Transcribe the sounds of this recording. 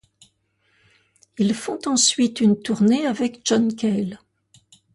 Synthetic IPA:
ilfɔ̃t̪ɑ̃sɥit̪ynt̪uʁneavɛkʒɔnkʲɛl

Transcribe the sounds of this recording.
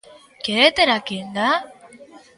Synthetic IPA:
keet̪eɾakind̪a

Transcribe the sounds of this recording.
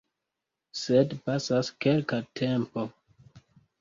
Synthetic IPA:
sedpasaskelkatʰempo̞

